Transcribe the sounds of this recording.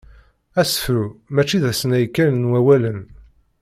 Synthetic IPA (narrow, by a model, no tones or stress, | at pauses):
æsə̥fɾumæt͡ʃːiðæsnæjkːælənwæwælən